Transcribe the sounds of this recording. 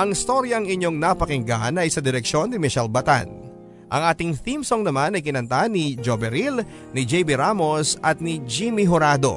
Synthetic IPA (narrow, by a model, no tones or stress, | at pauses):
ʔɐŋɪst̪o̞ɾjɐŋɪɲːo̞ŋnɐpɐkɪŋɡanɐjsɐd̪ɪɾɛk̚ʃo̞nːɪmɪʃɛlbɐt̪a̰n | ʔɐ̰ŋʔaːt̪ɪŋθimsoŋnɐmanɐjkɪnɐnt̪anid͡ʒobɛɾil | nɪd͡ʒɛjbiɾamo̞sʔɐt̪̚nɪd͡ʒimiɦoɾaːd̪o̞̰